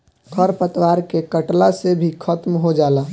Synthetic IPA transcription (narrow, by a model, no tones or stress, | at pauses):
kʰəɾpət̪waːɾkekəʈlasebʱikʰət̪mɦod͡ʒaːla